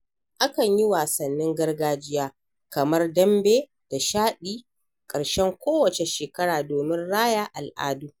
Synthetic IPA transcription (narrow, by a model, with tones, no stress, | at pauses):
ʔa˦kɐ˨ɲji˦waː˨sɐ˨nːɪ˦ŋɡɐ˦rɡaː˦d͡ʒɪ˦jaː˦ | kɐ˨mɐ˦rdɐ˦mbeː˦ | d̥a˨ʃaː˦ɗiː˦ | kʼɐ˨ɽʃɛ˦ŋkʷoː˦wɐ˨t͡ʃe˨ʃeː˨kɐ˦ɽaː˨doː˨mɪ˦nɽaː˦ja˦ʔa˨lʔa̰ː˦duː˦